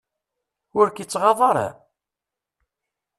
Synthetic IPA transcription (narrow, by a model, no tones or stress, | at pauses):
ʊɾkit͡sːʁɑðˤɑɾˤɑ̰